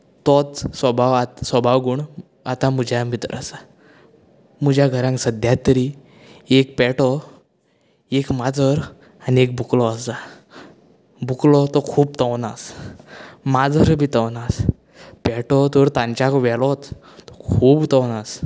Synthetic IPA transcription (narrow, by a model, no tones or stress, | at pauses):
t̪ɔt͡ssʋəbʱaʋat̪səbʱawɡuɳ | at̪amud͡ʑʱjamit̪əɾasa | mud͡ʑʱjaɡʱəɾãŋksəd̪jat̪ːəɾi | ekpɛʈɔ | ekmad͡zəɾ | aniek̚bʱuklɔəsd͡za | bʱuklɔt̪ɔkʰuːb̚t̪əwnas | mad͡zʱəɾbʱiːt̪əwnas | pɛʈɔt̪ɔɾt̪ãɲt͡ɕakʋɛlɔt̪ | t̪ɔkʰuːbt̪ɔwnas